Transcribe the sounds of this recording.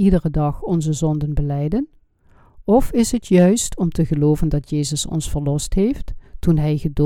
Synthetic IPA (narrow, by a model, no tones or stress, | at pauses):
idərədɑχɔnzəzɔndənbəlɛjdən | ɔfɪsɦətʰjœɥstʰɔmtəɣəloːvəndɑtjeːzəsɔ̰nsfəɹlɔstɦefttunɦɛjɣədo